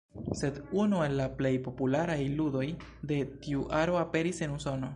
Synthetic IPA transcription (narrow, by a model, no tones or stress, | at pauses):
se̞d̪unue̞lːaple̞jpo̞pulaɾajludo̞jd̪e̞tiuʔaɾo̞ape̞ɾise̞nuso̞no̞